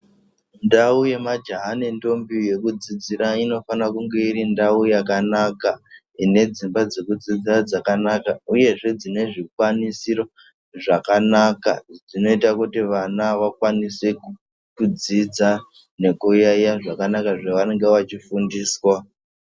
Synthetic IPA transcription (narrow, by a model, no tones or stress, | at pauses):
ndauje̞mad͡ʒaɦanento̞mbije̞kud͡zid͡ziɾaino̞fanakuŋɡe̞irindaujakanaka | ine̞d͡zimbad͡ze̞kud͡zid͡zirad͡zakanakauje̞ʐe̞d͡zine̞ʐikwanisiɾo | ʐakanakad͡zino̞itakutiʋanaʋakwanise | kud͡zid͡za | ne̞kujajaʐakanakaʐaʋane̞ŋɡeʋat͡ʃifundiːswa